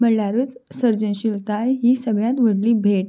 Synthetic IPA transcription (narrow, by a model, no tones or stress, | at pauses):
məɽlaɾət͡ssəɾd͡ʑənɕilt̪ajɦiːsəɡɭjãt̪ʋəɽliːbʱeʈ